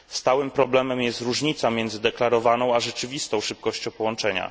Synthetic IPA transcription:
st̪awɘmpɾɔblɛmɛmjɛst̪ɾuʐɲit̪samʲjɛnd̪zɘd̪ɛklaɾɔvanɔ̃w̃aʐɛt͡ʂɘvʲist̪ɔ̃w̃ʂɘp̚kɔɕt͡ɕɔ̃wpɔwɔnt͡ʂɛɲa̰

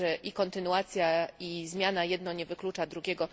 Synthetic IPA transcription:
ɛʔikɔnt̪ɘnuat̪sʲjaizmʲjanajɛd̪nɔɲɛvɘklut͡ʂad̪ɾuɡʲɛɡɔ

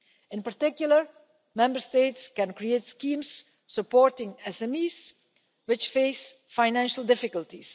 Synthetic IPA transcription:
ɪ̃npəɹtɪkjl̩ˠəɹ | mɛ̃mbəɹsteɪtskɛ̃nkɹietskĩms | səpɔɹtɪ̃ŋɛsɛmiːz | wɪt͡ʃfeɪsfaɪnæ̃nʃəlˠdɪfɪkəltis

